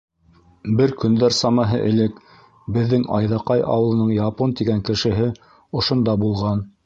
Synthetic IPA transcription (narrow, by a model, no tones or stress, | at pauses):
bɘɾkɵ̆nd̪æɾsɑmɑɦɤ̰ʔɘ̆lɘk | bɘ̆ðːɘŋɑ̰jðɑqɑjʔɑ̰wɤ̆lˠɤ̆nɤɴjɑpont̪iɡæŋkɘ̆ʃɘ̆ɦɘ | ŏʃŏnd̪ɑbulˠʁɑn